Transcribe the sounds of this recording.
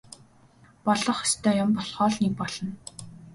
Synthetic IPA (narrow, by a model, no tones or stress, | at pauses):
pɔɮɞ̆χi̥st̪ʰœːjʊmpɔɮχɔːɮnek̚pɔɮɞ̆n